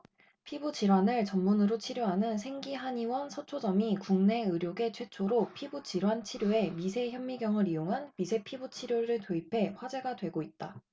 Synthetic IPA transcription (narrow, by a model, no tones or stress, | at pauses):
pʰibut͡ɕiɾwanɯɭt͡ɕʌmːunɯɾot͡ɕʰiɾjoɦanɯnsʰe̞ŋɡiɦaɲiwʌnsʰʌt͡ɕʰod͡ʑʌmikuŋne̞ɯɾjoɡe̞t͡ɕʰwe̞t͡ɕʰoɾopʰibut͡ɕiɾwant͡ɕʰiɾjoe̞mis̬ʰe̞çjʌmːiɡjʌŋɯɾioŋɦanmisʰe̞pʰibut͡ɕʰiɾjoɾɯɭtoipʰe̞ɸwad͡ʑe̞ɡadwe̞ɡoit̚t͈a